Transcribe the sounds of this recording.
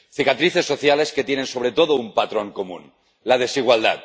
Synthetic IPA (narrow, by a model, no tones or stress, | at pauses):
θikat̪ɾiθe̞sːoθjale̞sket̪jene̞nso̞βɾe̞t̪oð̞oumpat̪ɾoŋko̞mṵ̃n | lað̞e̞siɣ̞wald̪a̰t̪̚